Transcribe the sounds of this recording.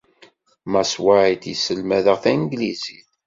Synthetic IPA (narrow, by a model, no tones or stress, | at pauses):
mæswaʕit̪isəlmæðəʁθænɡliziθ